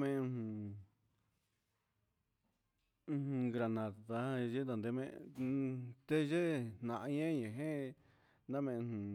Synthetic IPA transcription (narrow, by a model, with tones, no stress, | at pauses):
mẽ˦˧ũ˧ | hɡɾa˧˨nã˨t̪a˧ʒe˦nd̪a˨˧nd̪e˧˦mḛ̃˦ | t̪e˦ʒe˦nnã˨ʔa˧˦ɲẽ˦ɲẽ˨ɦẽ˦ | nã˦mẽ˧ũ˨